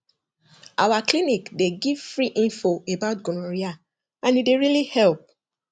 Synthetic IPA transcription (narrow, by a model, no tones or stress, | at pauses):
ʔawaklinikdeɡiv̥fɹiʔĩnfoebaʊtɡɔnɔ̃ɹia | ãnideɹilihɛlp̚